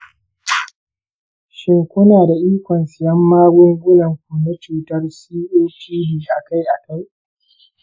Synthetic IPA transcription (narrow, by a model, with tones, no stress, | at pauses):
ʃɪ˦ŋkʷʊ˦naː˨da˨ʔiː˦kʷɔ˨nsɪ˨jɐ˦mːaː˦ɡʷʊ˦ŋɡʷʊ˦lɐ˨ŋkʷʊ˨na˦t͡ʃuː˨tɐ˦rsiː˦ʔoː˦pʰiː˦biː˨ʔa˨ka˦jʔa˨ka˦j